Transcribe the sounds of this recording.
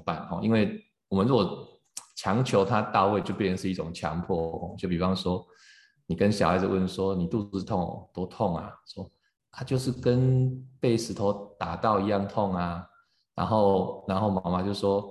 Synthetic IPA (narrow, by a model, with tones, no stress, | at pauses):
pa˥˨˩nxɔ̰˨i˦˥nwe˥˩ɪ | wɔ˨˩mə˦nɻu˥˩kwɔ˨˩ | t͡ɕʰjɑ˧˥ŋt͡ɕʰjo˧˥ʊt̪ʰa˦˥t̪a˥˧we˥˧ɪt͡ɕjo˥˧ʊpjʂɻ̩˥˧i˥˩ʈ͡ʂʊ˨˩ŋt͡ɕʰjɑ̰˧˥ŋpʰwɔ˥˧xɔ̰˨˩t͡ɕjo˥˩ʊpi˨˩fɑ˥˧ŋʂwɔ˥ | ni˨˩kə˦nɕjɑ˨ʊha˥ɪd͡zə˨˩˧wə˥˩nʂwɔ˦ni˨˩t̪u˥˧ɹ̩˥˧t̪ʰɔ˥˨ŋ̰˨˩t̪wɔ˥t̪ʰɔ˥˩ŋa̰˨˩ʂwɔ˦ | a˨˧t͡ɕjo˥˧ʊʂ̬ɻ̩˥˩kə˦npe˥˩ɪʂɻ̩˧˥t̪ʰo˧˥ʊt̪a˨˩t̪ɑ˥˩˨ʊi˧˥jɑ˥˧ŋt̪ʰɔ˥˩ŋa˨ | na̰˧˥nxo˥˧ʊna˧˥nxo˥˩ʊma˨˥ŋma˨˧t͡ɕjo˥˧ʊ˩ʂwɔ˥